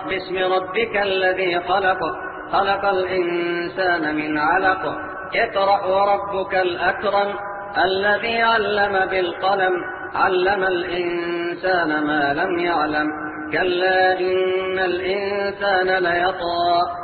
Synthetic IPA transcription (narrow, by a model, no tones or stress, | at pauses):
bɪsmɪɾˤɑbːɪkalːaðiːxɑlɑq | xɑlɑqɑlʔɪnsaːnamɪnʕalaq | ʔɪqɾˤɑʔwɑɾˤɑbːʊkalʔakɾˤɑm | ʔalːaðiːʕalːamabɪlqɑlam | ʕa̰lːamalʔɪnsaːnamaːlamjaʕlam | kalːaːʔɪnːalʔɪnsaːnalajɑt̪ˤɑːʔ